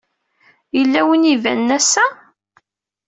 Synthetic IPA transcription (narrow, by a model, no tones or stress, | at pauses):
jəlːæwənivæ̰nːæsæ